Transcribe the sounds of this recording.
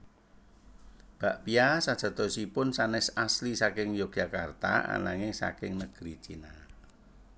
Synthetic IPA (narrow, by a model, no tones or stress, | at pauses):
b̥a̤ʔpiasad̥ʒ̥a̤t̪ɔsipʊnsanɛsaslisakɪŋjoɡ̥ʒ̥akart̪a̰a̰naŋɪŋsa̰kɪŋnəɡ̥ɾit͡ʃina